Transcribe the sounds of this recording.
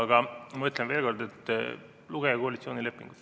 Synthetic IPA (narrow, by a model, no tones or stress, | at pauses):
ɡɑmɑyt̪lɛnʋeːlɡorɾd̪ɛt̪ | luɡ̥ɛɑkoɑlit̪sjoːnilepːḭŋɡ̥ut̪